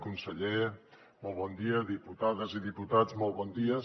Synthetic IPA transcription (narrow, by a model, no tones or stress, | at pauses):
kunsəʎe | mɔlˠβɔnd̪iəðiput̪aðəziðiput̪ad͡zmɔlˠβɔnd̪iə